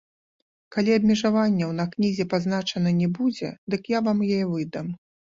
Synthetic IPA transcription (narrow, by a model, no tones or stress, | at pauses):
kalʲiɐbʲmʲɛʐavanʲːɛwnɐknʲizʲɛpaznat͡ʂɐnɐnʲɛbud͡zʲɛ̰d̪ɨkjavamjɔjɛvɨd̪ɐm